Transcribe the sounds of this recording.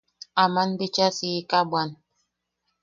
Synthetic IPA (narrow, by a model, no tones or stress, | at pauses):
amanbit͡ʃasikabwan